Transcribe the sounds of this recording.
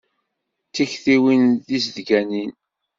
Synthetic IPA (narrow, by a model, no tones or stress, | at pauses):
t͡sːiçθiwinðis̬ðɡænin